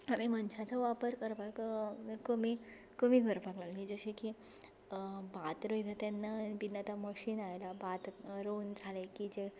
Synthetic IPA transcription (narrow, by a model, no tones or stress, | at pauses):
amimənɕat͡saʋapəɾkəɾpakkəmi | kəmiɡʱəɾpaɡlalnid͡zəɕeki | bat̪ɾəjd̪ʱat̪ɛnːabinːət̪aməɕiːnajlabat̪ɾound͡zʱalekid͡ze